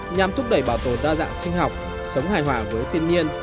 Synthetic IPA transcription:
ɲa˨˩mt̪ʰʊ˦˥k͡p̚ɗə˧˩jɓaː˧˩wt̪o˧˨˩zaː˧za̰ː˧˨ŋsï˧ŋ̟ɦa˨˩wk͡p̚ | sə˨˦wŋ͡mɦaː˨˩jɦwaː˧˩vəː˨˦jt̪ʰi˧ənɲi˧ən

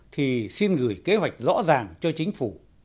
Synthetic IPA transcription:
t̪ʰi˨˩si˧nɣɨ˧˩jke˨˦ɦwa˨˩jk̟̚zɔ̰˧˥zaː˨˩ŋt͡ɕɔ˧t͡ɕï˨˦ŋ̟fu˧˩

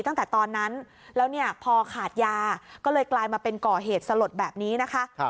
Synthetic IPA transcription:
t̪a˥˩ŋt̪ɛː˨˩t̪ɔː˧nːa˦˥n | lɛː˦˥wni˥˩ɐpʰɔː˧kʰaː˨˩t̪̚jaː˧kɔː˥˩lɤː˧jklaː˧jmaː˧pe˧nkɔː˨˩ɦeː˨˩t̪̚sa˧lo˨˩t̪̚bɛː˨˩p̚niː˦˥na˦˥kʰa˦˥

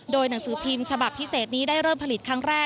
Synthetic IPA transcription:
doː˧jna˩˦ŋsɯː˩˦p̪ʰi˧mt͡ɕʰa˧ba˨˩p̚pʰi˦˥seː˨˩t̪̚niː˦˥daː˥˩jɾɤː˥˩mpʰa˧li˨˩t̪̚kʰɾa˦˥ŋɾɛː˥˩

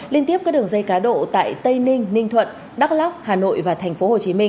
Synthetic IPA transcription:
li˧ənt̪i˦˥p̚kaː˦˥ɗɨ˨˩əŋzə˧jkaː˨˦ɗo̰˧˨t̪a̰ː˧˨jt̪ə˧jnï˧ŋ̟nï˧ŋ̟t̪ʰwə̰˧˨n | ɗa˦˥k̚la˦˥p̚haː˨˩no̰˧˨jvaː˨˩t̪ʰɛ˨˩ŋ̟fo˨˦ho˨˩t͡ɕi˨˦mï˧ŋ

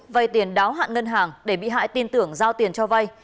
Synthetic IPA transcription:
va˧jt̪i˨˩ənɗaː˨˦wɦa̰ː˧˨nŋə˧nɦaː˨˩ŋɗe˧˩ɓḭ˧˨ɦa̰ː˧˨jt̪i˧nt̪ɨ˧˩əŋzaː˧wt̪i˨˩ənt͡ɕɔ˧va˧j

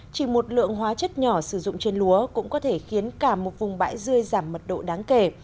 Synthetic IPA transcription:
t͡ɕi˧˩mo˨˩t̚lɨ̰˧˨əŋɦwaː˨˦t͡ɕə˦˥t̚ɲɔ˧˩sɨ˧˩zʊ̰˧˨ŋ͡mt͡ɕe˧nlu˨˦əkʊ̰˧˥ŋ͡mkɔ˨˦t̪ʰe˧˩xi˨˦ənkaː˧˩mo˨˩t̚vʊ˨˩ŋ͡mɓa̰ː˧˥jzɨ˧əjzaː˧˩mːə˨˩t̚ɗo̰˧˨ɗaː˨˦ŋke˧˩

